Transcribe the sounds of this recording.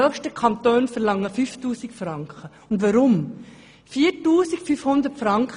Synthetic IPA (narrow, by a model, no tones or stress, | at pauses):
œχʃtəkʰɑntøːnfɛɾlɑŋːəfyftuːsikfɾɑŋkχə | ʊndʋɑɾʊm | fiːɾtuːsikfyfhʊnd̪əɾtfɾɑŋkχ